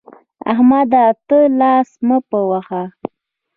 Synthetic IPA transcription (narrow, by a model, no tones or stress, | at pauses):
a̰hmad̪at̪əlɑsməpəwaxa